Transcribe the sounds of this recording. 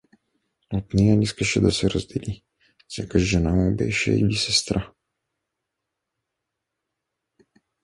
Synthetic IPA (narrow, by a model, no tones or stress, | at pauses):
ot̪nɛjaniskɐʃɛd̪asɛɾɐzd̪ɛli | sɛkəʒʒɛnamubɛ̰ʃɛ̰ḭlisɛst̪ɾa